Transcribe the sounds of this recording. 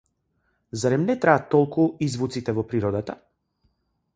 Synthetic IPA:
zaɾɛmnɛt̪ɾaːt̪ːɔlˠkuizvut̪sit̪ɛvɔpɾiɾɔd̪at̪a

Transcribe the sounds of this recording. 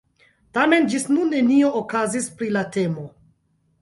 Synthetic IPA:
tame̞nd͡ʒisnunːe̞nioʔokazispɾilate̞mo̞

